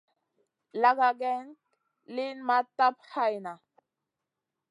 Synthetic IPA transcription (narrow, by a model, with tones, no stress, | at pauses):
la˦ɡa˨ɡɛ˦n | li˦nma˦ta˦p̚ha˦jna˨